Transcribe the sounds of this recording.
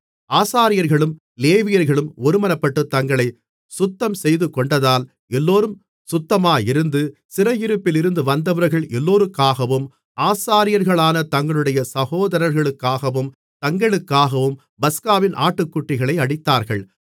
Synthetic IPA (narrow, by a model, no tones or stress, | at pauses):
aːsaːɾɪjɐɾɣɐɭɯm | leːʋɪjɐɾɣɐɭɯmɔɾɯmɐnɐpːɐʈːɯt̪ːɐŋɡɐɭɐɪ | sʊt̪ːɐmsɛjðɯkːɔɳɖɐðaːl | ɛlːoːɾɯm | sʊt̪ːɐmaːjɪɾɯnd̪ɯsɪɾɐjɪɾɯpːɪlɪɾɯnd̪ɯʋɐnd̪ɐʋɐɾɣɐɭɛlːoːɾɯkːaːɣɐʋɯm | ʔaːsaːɾɪjɐɾɣɐɭaːnɐt̪ɐŋɡɐɭɯɽɐjɐsɐɣoːðɐɾɐɾɣɐɭɯkːaːɣɐʋɯm | t̪ɐŋɡɐɭɯkːaːɣɐʋɯm | bɐskaːʋɪnʔaːʈːɯkːʊʈːɪɣɐɭɐɪɐɽɪt̪ːaːɾɣɐɭ